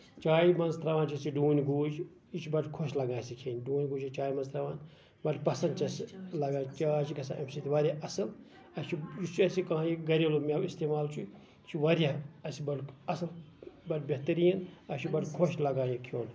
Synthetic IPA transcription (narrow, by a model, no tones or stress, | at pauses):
t͡ʃaːjimɐnzt̪ɾɐʋaːnt͡ʃɐsiɖuːnʲɡuːd͡ʒ | it͡ʃʰibɐʈkʰoʃlɐɡãːsikʰeːnʲɖuːnʲɡuːd͡ʒit͡ʃaːimɐnzt̪ɾɐʋaːn | bɐʈpɐsɐnd̪̚t͡ʃɐslɐɡãːt͡ʃaːt͡ʃikɐsã̰ʔemsit̪iʋɐɾʲjaʔɐsɐl | ɐt͡ʃʰijit͡ʃʰuɐsikãːɦãjiɡɐɾʲelomʲewist̪eːmaːlt͡ʃʰu | t͡ʃʰiʋɐɾʲjaɐsibɐɖɐsɐlbɐɖbeɦt̪ɐɾijɐnɐʃʰibɐʈkʰoʃlɐɡãːjikʰjoːn